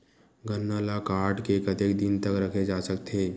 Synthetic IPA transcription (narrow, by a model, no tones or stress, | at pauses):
ɡənːaːlakaːɾʈkekət̪eːkd̪ɪnt̪ɐkɾɐkʰed͡ʒaːsɐk̚t̪ʰeː